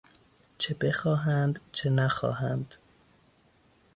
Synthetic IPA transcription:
t͡ʃʰebe̞xɒːɦænd̪t͡ʃʰe̞næxɒ̰ːɦænd̪̥

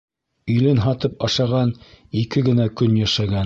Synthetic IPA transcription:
ɵ̆jlɘnɦɑt̪ɤpɑʃɑʁɑnikɘɡɘ̆nækɵnjæʃæɡæn

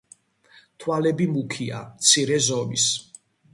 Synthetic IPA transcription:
t̪ʰwalɛbimukʰia̰t̪sʰiɾɛzɔmis

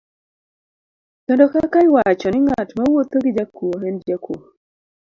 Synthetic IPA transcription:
kɛndɔkakaɪwat͡ʃɔnɪŋatmawot̪oɡid͡ʒakuoɦɛnd͡ʒakʰu

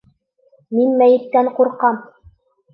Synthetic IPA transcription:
minmæjɘ̆t̪ːæŋquɾqɑm

